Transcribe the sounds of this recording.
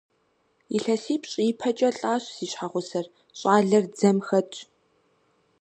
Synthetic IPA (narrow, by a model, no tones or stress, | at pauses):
iɬɐsiːpɕʼiːpʰɐt͡ʃʼɐɬʼaːɕsiːɕħaʁʷʊsɐr | ɕʼaːɮɐrd͡zɐmxɐtʼ